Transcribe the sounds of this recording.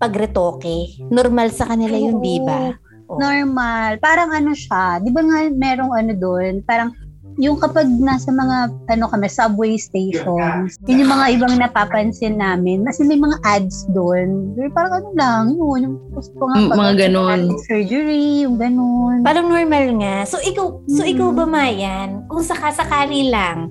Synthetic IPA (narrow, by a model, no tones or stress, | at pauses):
pɐɡɾɛt̪oːkɛnoɾmalsɐkɐnɪlajʊnd̪iːba | ʔnoɹmalpaːɾɐŋɐnoʃad̪ɪbaŋamɛːɾo̞ŋɐno̞d̪onpaːɾɐŋ | jʊŋkɐpɐɡ̚nasɐmɐŋaʔɐno̞kɐmɛsɐbwejst̪ejʃonjʊnjʊŋmɐŋaʔɪbaŋnɐpaːpɐnsɪnːaːmɪnmɐsjʊnmɐjmɐŋaʔad̪̚sd̪onopaːɾɐŋɐnolaŋjonjʊŋ | ɐsmɐŋapɐmɐŋaɡɐnonsɛɹd͡ʒɛɹijʊŋɡɐnonpalɐŋnoɹmalŋasoʔɪkawsoʔɪkawbɐmaːjankʊŋsɐkasɐkaːlilaŋ